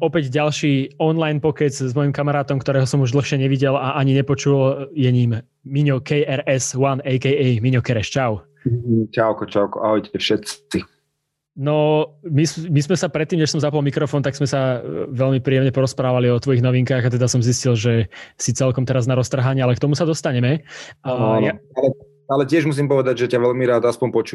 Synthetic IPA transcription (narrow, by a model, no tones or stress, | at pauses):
ɔpɛɟɟalʃiːɔnlajnpɔkɛt͡szmɔjimkamaɾaːt̪ɔmkt̪ɔɾɛːɦɔsɔmuʒd̪l̩ˠxʃɪɛɲɛʋiɟɛlaʔaɲiɲɛpɔt͡ʃuljɛɲiːmː | iɲɔkɛjɛɾɛswanɛjkɛɛmiɲɔkɛɾɛʃt͡ʃaʊ | t͡ʃaʊkɔt͡ʃaʊkɔ̰aɦɔjɛfʃɛt̪t͡si | nɔmismizmɛsapɾɛt̪ːiːmɲɛʃsɔmzapɔlmikɾɔfɔːnt̪aɡz̥mɛsaʋɛʎmipɾiːjɛmɲɛpɔɾɔspɾaːʋaliɔt̪ʋɔjiɣnɔʋiŋkaːɣat̪ɛd̪asɔmziscilʒɛsit͡sɛlkɔmt̪ɛɾaznaɾɔst̪r̩ɦaɲɛalɛkt̪ɔmusad̪ɔst̪aɲɛmɛʔajaalɛ | alɛcɪɛʒmus̬iːmpɔʋɛd̪aɟʒɛcaʋɛʎmiɾaːd̪aspɔɲpɔt͡ʃu